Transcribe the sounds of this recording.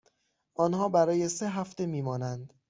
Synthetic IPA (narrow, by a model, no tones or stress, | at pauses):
ʔɒːnhɒːbæɾɒːje̞seɦæft̪e̞miːmɒːnænd̪